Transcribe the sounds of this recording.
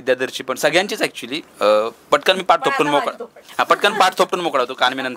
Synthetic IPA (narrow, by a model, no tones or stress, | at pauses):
id̪jad̪əɾt͡ɕiːpəɳsəɡɭjãɲt͡ɕiːt͡sɛk̚t͡ɕulipəʈkanmiːpaʈ̚t̪ʰop̚ʈuːnmokaapəʈkanipaʈ̚ʰt̪ʰop̚ʈuːnmokɽaʋt̪okanminən